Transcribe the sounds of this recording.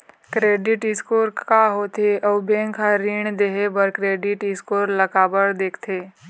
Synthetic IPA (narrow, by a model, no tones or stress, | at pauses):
kɾeːɖɪʈɪskoːɾkaɦoːt̪eʔɐʋbẽːŋkʰaɾiːɳ̃d̪eɦebəɾkɾeːɖɪʈɪskoːɾlɐkaːbəɾd̪eːkʰt̪ʰeː